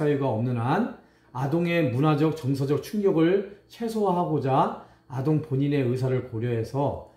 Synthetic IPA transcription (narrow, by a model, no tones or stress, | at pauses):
ajuɡaʌmnɯnan | adoŋe̞munad͡ʑʌk̚t͡ɕʌŋsʰad͡ʑʌk̚t͡ɕʰuŋɡjʌɡɯɭt͡ɕʰe̞sʰoɦaɦaɡod͡ʑa | adoŋpoɲine̞ɯsʰaɾɯɭpoɾjʌɦe̞sʰʌ